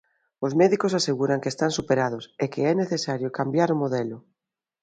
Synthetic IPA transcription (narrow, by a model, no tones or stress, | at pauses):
ozmɛðikosaseɣuɾaŋkest̪ansupeɾað̞osekeɛneθesaɾjokambjaɾomoðɛlʊ